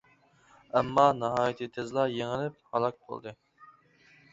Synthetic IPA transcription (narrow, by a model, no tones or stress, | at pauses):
ɛmːɑnɑɦɑːjit̪ʰɨt̪ʰezlˠɑjeŋɪlɪp̚hɑlˠɑk̚bo̰lˠd̪ɨ